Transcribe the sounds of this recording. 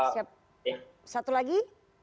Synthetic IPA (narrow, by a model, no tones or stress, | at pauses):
siap̚ | j | sat̪ulaɡi